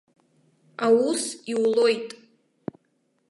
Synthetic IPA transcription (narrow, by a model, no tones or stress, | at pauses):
awusiwlo̞jtʼ